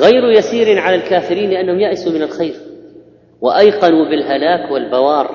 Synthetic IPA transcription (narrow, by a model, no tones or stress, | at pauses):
ɣajɾjasiːɾɪnʕalalkaːfɪɾiːnlɪʔanːahʊmjaʔɪsumɪnalxajɾ | waʔajqɑnubɪlɦalaːkwɪlbawɑːɾˤ